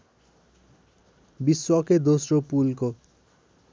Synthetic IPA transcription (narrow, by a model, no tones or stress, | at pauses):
biswaked̪osɾopulko